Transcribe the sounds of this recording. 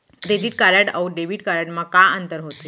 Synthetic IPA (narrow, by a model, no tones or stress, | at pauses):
t̪et̪iːʈkaɾaʈa̰uɖebiːʈkaɾaʈmakaənt̪əɾɦot̪i